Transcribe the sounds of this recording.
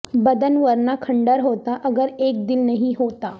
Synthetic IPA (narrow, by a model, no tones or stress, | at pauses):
bɐd̪ənʋəɾnakʰɐ̃ɳɖəɾɦoːt̪aʔɐɡəɾeːk̚d̪ɪlnɐɦĩɦoːt̪aː